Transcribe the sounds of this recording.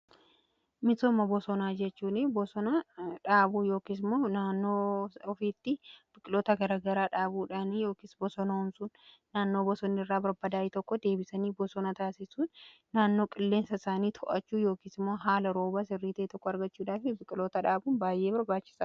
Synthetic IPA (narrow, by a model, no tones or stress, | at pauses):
mɪtɔmːɐbɔsɔnaːd͡ʒɛt͡ʃːuːnɪbɔsɔnɐᶑaːbuːjo̞ːkis̬ɪmːoːnaːnːo̞ːɔfiːt̪ːɪb̥ɪkʼɪloːt̪ɐɡɐɾaɡɐɾaːᶑaːbuːᶑaːnjo̞ːkiːsbɔsɔnɐʊmsʊn | naːnːo̞ːbɔsɔnːɪɪrːaːbɐɾbɐd̪aːɪt̪ɔkːɔd̪e̞ːbɪsɐniːbɔsɔnɐt̪aːsɪsuːnː | aːnːo̞ːkʼɪlːe̞ːnsɐsaːniːt̪ʰɔʔɐt͡ʃːuːjo̞ːkiːsɪmːoːɦaːlɐɾo̞ːbaːsɪrːiːt̪ɐɛt̪ɔkːɔɐɾɡɐt͡ʃːuːᶑaːfɪbɪkʼɪloːt̪ɐᶑaːbuːnbaːjʔe̞ːbɐɾbaːt͡ʃːɪ̥sɐ